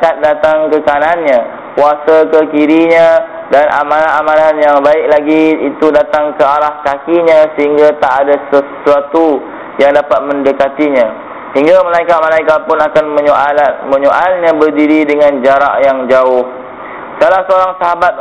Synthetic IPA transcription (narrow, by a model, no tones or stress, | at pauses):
kat̪̚dat̪aŋkəkananɲã | kuasakəkiɾiɲã | danʔa̰mãnaamãnanjaŋbaɪk̚laɡiit̪udat̪aŋkəaɾahkakiɲãsəɦiŋɡat̪aʔːdasəsuat̪u | jaŋdapat̪̚mə̃ndəkat̪iɲã | səɦiŋɡaməlaikat̪̚məlaikapʊnakanmə̃ɲmə̃ɲoʔalɲãbərdiɾidəŋãnd͡ʒaɾa̰ʔjaŋd͡ʒaʊh | salahsəoɾaŋsaɦabat̪̚